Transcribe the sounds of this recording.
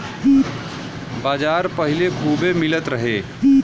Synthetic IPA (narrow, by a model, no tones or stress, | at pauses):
baːd͡ʒaːɾpəɦilekʰuːbemɪlət̪ɾəɦeː